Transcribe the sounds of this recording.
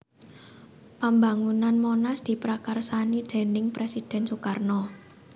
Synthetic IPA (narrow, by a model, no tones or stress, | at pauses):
pambaŋunanmonasd̪̥i̤pɾakarsanid̪̥ɛ̤nɪŋpɾesid̪̥ɛ̤nsukarnɔ